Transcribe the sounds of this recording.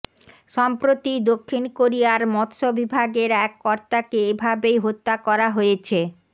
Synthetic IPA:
ʃɔmpɾot̪id̪okʰːinkoɾiaɾmɔt̪ʃobibʱaɡeɾɛkːɔɾt̪akeebʱabejɦot̪ːakɔɾaɦojet͡ɕʰe

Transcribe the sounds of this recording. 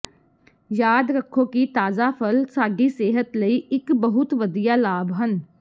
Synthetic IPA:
jaːd̪ɾəkʰːoːkit̪aːzaːpʰəlsaːɡiːseːɦət̪ləiːɪkbəɦʊt̪ʋəd̪ijaːlaːbɦən

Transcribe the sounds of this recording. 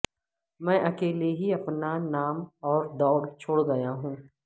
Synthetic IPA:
mɛ̃ːʔɐkeːleɦiɐpnanaːmɔːɾd̪ɔːɽt͡ʃʰoːɽɡɐjaɦũː

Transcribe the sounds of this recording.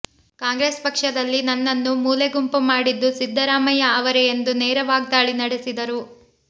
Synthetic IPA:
kaːŋɡɾeːspɐkʂɐd̪ɐlːinɐnːɐnːumuːleɡumpumaːɽid̪ːusid̪ʱːɐɾaːmɐjɐaːʋɐɾɛjend̪uneːɾɐʋaːɡ̚d̪aːɭinɐɽesid̪ɐɾu

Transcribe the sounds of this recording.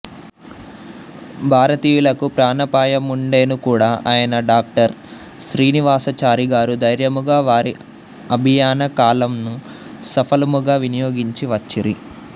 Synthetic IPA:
bʱaːɾɐt̪iːjulɐkupɾaːnɐpaːjɐmuɳɖe̞ːnukuːɽaːʔaːjɐnɐɖaːk̚ʈɐɾ | ʃɾiːniʋaːsɐt͡ʃaːɾiɡaːɾud̪ɐjɾjɐmuɡaːʋaːɾi | ɐbʱijaːnɐkaːlɐmnu | sɐpʰɐlɐmuɡaːʋinijoːɡiɲt͡ʃiʋɐt͡ʃːiɾi

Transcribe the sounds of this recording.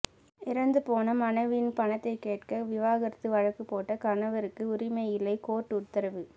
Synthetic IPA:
ɪɾɐnd̪ɯpoːnɐmɐnɐɪʋɪnpɐnɐt̪ːɐɪkːeːʈkɐʋɪʋaːɣɐɾɐt̪ːɯʋɐɻɐkːɯpːoːʈːɐkɐnɐʋɐɾɯkːɯʊɾɪmɐɪjɪlɐɪkoːʈːʊt̪ːɐɾɐʋɯ

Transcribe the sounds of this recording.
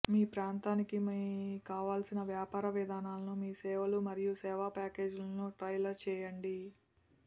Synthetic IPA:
miːpɾaːnt̪aːnikimikaːʋaːlsinɐʋjaːpaːɾɐʋɛd̪ʱaːnaːlɐnumiːsɛːʋɐlumɐɾijusɛːʋaːpaːke̞ːd͡ʒlɐnuːʈɾɐjlɐɾt͡ʃɛːjɐɳɖi

